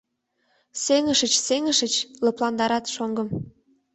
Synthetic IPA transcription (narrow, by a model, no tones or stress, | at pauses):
seŋəʃət͡ɕseŋəʃət͡ɕlɤ̆plɑnd̪ɑɾɑt̪ʃoŋɡə̆m